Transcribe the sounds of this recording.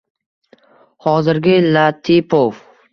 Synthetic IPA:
hɒzɪɾɡʲɪlat̪ʰipʰof

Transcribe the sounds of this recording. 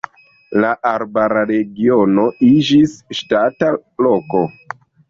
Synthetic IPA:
laʔaɾbaɾaɾe̞ɡio̞no̞id͡ʒisʃtataloko̞

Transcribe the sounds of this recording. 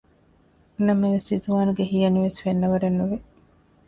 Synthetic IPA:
nɐmːɐʋesizuʋaːnuɡeɦijɐniʋesfenːɐʋɐɖɐnːuʋe

